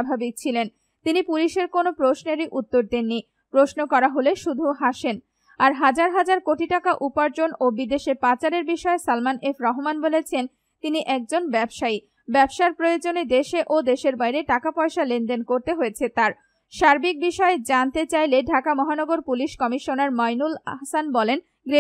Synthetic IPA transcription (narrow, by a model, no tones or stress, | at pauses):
abʱabik̚t͡ɕʰilen | t̪inipuliʃeɾkonopɾosneɾiʔut̪ːoɾd̪inːi | pɾosnokɔɾaɦoleʃud̪ʱuɦaʃen | aɾɦad͡ʑaɾɦad͡ʑaɾkoʈiʈakaʔupaɾd͡ʑonobid̪eʃepat͡ɕaɾeɾbiʃɔesalmanefʰɾɔɦomanbolet͡ɕʰen | t̪iniʔɛk̚d͡ʑonbɛbʃai | bɛbʃaɾpɾojod͡ʑoned̪eʃeʔod̪eʃeɾbajɾeʈakapɔeʃalenɖenkoɾt̪eɦojet͡ɕʰet̪aɾ | ʃaɾbik̚biʃɔed͡ʑant̪et͡ɕajleɖʱakamɔɦanɔɡoɾpuliʃkɔmiʃonaɾmajnula̰ɦsanbɔlen | ɡɾe